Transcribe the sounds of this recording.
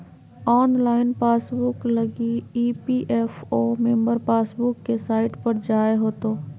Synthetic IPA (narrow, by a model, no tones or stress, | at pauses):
ɔːnlaːɪnpaːsbʊklɐɡiiːpiʔɛːfoːmẽmbəɾpaːsbʊkːesaːɪʈpɐɾd͡ʒaːeɦoːt̪oː